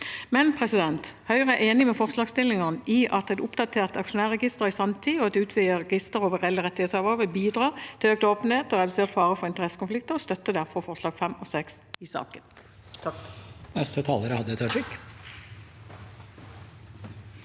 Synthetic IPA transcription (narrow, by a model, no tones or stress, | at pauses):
mɛnpʰʁɛsɪd̪ɛnt̪hœʏʁəʔeːnɪmɛfɔʁslɑːɡst̪ɪlːɪŋəʁniːʔɑt̪ɛt̪ʊpd̪ɑt̪ʰeːʁt̪ɑkʂʊnæːʁɛɡɪst̪əʁisɑmt̪ʰiːɔɑt̪ʉːt̪ʰʋɪljəʁɛɡɪst̪əʁoːʋəʁɛlːəʁɛt̪ːɪheːt̪sɑʋɔːʁʋɪlbiːd̪ʁɑːt̪ʰɪøːk̚t̪oːpənheːt̪ɔʁɛd̪ʉseːʁt̪fɑːʁəfɔʁɪnt̪əʁɛsːə̥kʊnflɪk̚t̪əʁɔst̪œt̪ːəd̪æʁfɔʁfɔʁslɑːɡ̥fɛmɔsɛksɪsɑ̰ːkən | nɛst̪ət̪ʰɑːləɾəhɑd̪ːəɛt̪ʰɑʈʰɾɪk